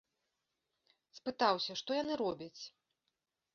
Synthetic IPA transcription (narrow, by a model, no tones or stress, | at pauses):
spɨt̪awsʲɐʂt̪ɔjanɨɾɔbʲɐt͡sʲ